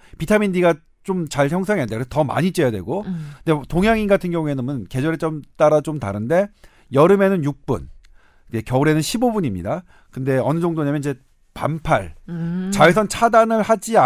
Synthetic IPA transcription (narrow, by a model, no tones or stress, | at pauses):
pitʰamindiɡa | t͡ɕ͈omt͡ɕaɭçjʌŋs̬ʰaŋeandekɾesʰʌtʌma̰ɲit͡ɕ͈e̞jadweɡokɯndetoŋɦjaŋiɡatʰɯnɡjʌŋue̞nɯmɯnke̞d͡ʑʌɾet͡ɕ͈ʌmt͈aɾat͡ɕomtaɾɯnde̞ | jʌɾɯme̞nɯnjuk̚p͈ṵn | d͡ʑekjʌuɾenɯnɕʰibobuɲimɲḭda | kɯnde̞ʌnɯd͡ʑʌŋdonɲamʌnid͡ʑe̞ | pa̰mpʰaɭt͡ɕaesʰʌnt͡ɕʰadanɯɭhad͡ʑia